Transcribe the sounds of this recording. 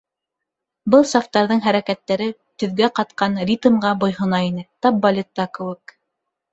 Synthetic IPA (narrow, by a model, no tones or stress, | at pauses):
bɤlˠsaft̪ɑɾðɤɴɦæɾækæt̪ːæɾɘ | t̪ɵ̆ðɡæqɑt̪̚qɑnɾʲit̪mʁɑbŏjhŏnɑinɘt̪ɑp̚bɐlʲet̪ːɑkɘ̆wɘk